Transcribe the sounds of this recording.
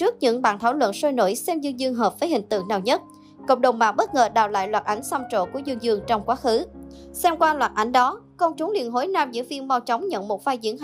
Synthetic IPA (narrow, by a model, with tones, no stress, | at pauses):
t͡ɕɨ˦˥ək̚ɲɨ̰˧˥ŋɓa̰ː˧˨nt̪ʰaː˧˩wlwə̰˧˨nso˧jno̰˧˩jsɛ˧mzɨ˧ŋzɨ˧əŋɦəː˨˩p̚vəː˨˦jhï˨˩ŋ̟t̪ɨ̰˧˨ŋnaː˨˩wɲə˦˥t̚ | ko̰˧˨wŋ͡mɗə˨˩wŋ͡mma̰ː˧˨˩wɓə˦˥t̚ŋəː˨˩ɗa̰ː˨˩wla̰ː˧˨jlwaː˨˩t̚ʔa˨˦jŋsa˧mt͡ɕo̰˧˨ku˧˩əzɨ˧əŋzɨ˧əŋt͡ɕɔ˧wŋ͡mkwaː˨˦xɨ˨˦sɛ˧mkwaː˧lwaː˨˩t̚ʔa˨˩jŋ̟ɗɔ˨˦kɔ˧wŋ͡mt͡ɕu˨˦ŋ͡mlḭ˧˨ənɦo˨˦jnaː˧mzɨ̰˧˥vi˧ənmɔ˧wt͡ɕɔ˨˦wŋ͡mɲə̰˧˨nmo˨˩t̚vaː˧jzḭ˧˥ən˨